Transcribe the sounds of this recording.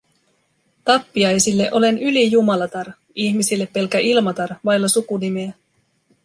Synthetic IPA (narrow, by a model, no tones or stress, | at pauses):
t̪ɑpːiɑjsilːe̞ʔo̞le̞nylijumɑlɑt̪ɑr | içmisilːe̞pːe̞lk̟æʔilmɑt̪ɑrʋɑjlːɑsukunimeæ